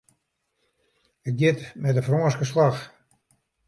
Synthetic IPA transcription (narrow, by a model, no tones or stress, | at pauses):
ək̚jɪtmɛtəfrõːskəslax